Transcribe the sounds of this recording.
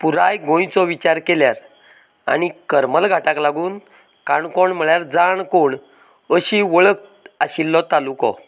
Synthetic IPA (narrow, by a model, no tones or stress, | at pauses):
puɾajɡʱõjt͡sɔʋit͡ɕaɾkeljaɾ | a̰ñikəɾməlɡʱaʈaklaɡuːn | kaɳkɔɳm̤əɭjaɾd͡zaɳkoɳ | əɕiʋəɭək̚aɕilːɔt̪alukɔ̰